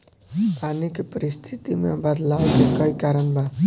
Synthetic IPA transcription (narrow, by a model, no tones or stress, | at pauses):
panikepəɾist̪ʰit̪imebəd̪lawkekəikaɾənba